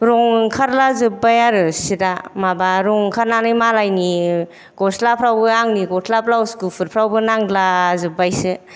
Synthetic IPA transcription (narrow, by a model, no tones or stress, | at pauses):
ɾɔŋkʰaɾlazɯb̚ajaɾɯsidamabaɾɔŋkʰaɾnanɯjmalajni | ɡ̥ɔtʰlapʰɾawbɯaŋniɡɔtʰlapʰlawskupʰɯɾpʰɾawbɯnaŋdlazɯbajsɯ